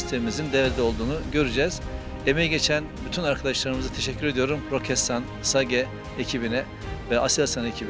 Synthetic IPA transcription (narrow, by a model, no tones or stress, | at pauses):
st̪ʰevimizind̪evd̪ɛo̞lˠd̪uːnuɟø̞ɾyd͡ʒɛz̥ | emejɟe̞t͡ʃʰænbyt̪ʰynaɾkʰad̪aʃlˠaɾɯmɯzat̪ʰeʃɛcʰːyɾe̞d̪ijo̞ɾumɾo̞cʰɛst̪ʰan | saɟɛ | ecʰibinɛ | vɛʔasiasanecʰibi